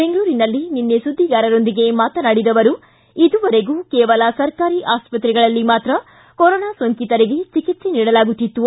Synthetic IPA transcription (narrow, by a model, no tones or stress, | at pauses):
beŋɡɐɭuːɾinɐlːininːesud̪ʱːiɡaːɾɐɾo̞nd̪iɡe̞maːt̪ɐnaːɽid̪ɐʋɐɾu | id̪uʋɐɾe̞ɡuːkɛːʋɐlɐsɐɾkaːɾiʔaːspɐt̪ɾɛɡɐɭɐlːimaːt̪ɾɐ | koɾɔːnaːsʋɐŋkit̪ɐɾeɡet͡ʃikit̪seniːɽɐlaːɡut̪ːit̪ːu